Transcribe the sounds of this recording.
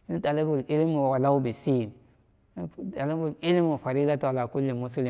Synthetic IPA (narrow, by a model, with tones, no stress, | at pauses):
i˦n˦ta˨li˦bu˨li˦li˦mu˨wa˨la˦u˦bi˨si˦˨˦ | ta˨li˦bu˨li˦li˦m˦u˨fa˨ɾi˦la˦tu˨wa˨la˨ku˦lːi˨mu˦si˦li˨